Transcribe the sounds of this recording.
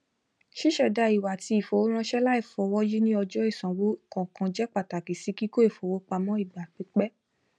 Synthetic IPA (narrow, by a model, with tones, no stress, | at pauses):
ʃi˦ʃɛ˦˨da˧i˨wa˨ti˧˦i˨fo˨˦wo˦ɾ̃ã˧ʃɛ˦la˦i˦˨fɔ˧˨wɔ˦ji˦nĩ˦ɔ˧d͡ʒɔ˦i˦˨sã˨wo˦˨kɔ̃˨kã˧d͡ʒɛ˦k͡pa˨ta˨ki˨si˨˦ki˦ko˦e˦˨fo˨wo˨˦k͡pa˧mɔ̃˦i˦˨ɡ͡ba˨k͡pi˨˦k͡pɛ˦